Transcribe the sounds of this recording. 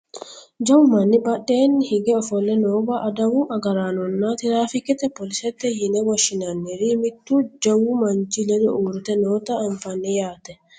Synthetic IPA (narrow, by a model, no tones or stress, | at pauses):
d͡ʒɐwmɐnːɪbɐɗːe̞ːnːɪhɪɡɛɔfɔlːɛnoːbɐʔɐd̪ɐwʊʔɐɡɐɾaːnɔnːɐt̪ɪɾaːfɪkɛt̪ɛpɔlɪsɛt̪ːɛjɪnɛwɔʃɪnɐnːɛɾɪmɪt̪ːud͡ʒɐwʊmɐnt͡ʃɪlɛd̪ɔuːɾɪt̪ɛnoːt̪ɐɐɱfɐnːɛjaːt̪ːɛ